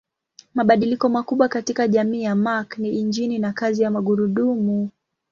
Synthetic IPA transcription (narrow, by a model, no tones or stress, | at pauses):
maɓaɗilikɔmakuɓwakatikaʄamiːjamakniːɲd͡ʒininakazijamaɠuɾuɗumu